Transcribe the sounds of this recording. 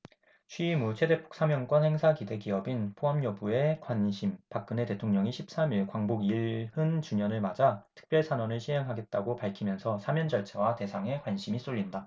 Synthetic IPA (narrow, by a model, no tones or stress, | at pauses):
t͡ɕʰɥiimut͡ɕʰe̞depʰo̥k̚s͈amjʌnk͈wʌnhe̞ŋsʰakide̞kiʌbinpʰoɦamjʌbue̞kwaɲɕʰimpak̚k͈ɯne̞te̞tʰoŋɲʌŋiɕʰip̚s͈amiɭkwaŋboɡiɭhɯnt͡ɕuɲʌnɯɭmad͡ʑatʰɯ̥k̚p͈jʌɭsʰanwʌnɯɭɕʰiɦe̞ŋɦaɡe̞t̚t͈aɡopaɭkʰimjʌnsʰʌsʰamjʌnd͡ʑʌɭt͡ɕʰawate̞sʰaŋe̞kwanɕʰimis͈oʎːinda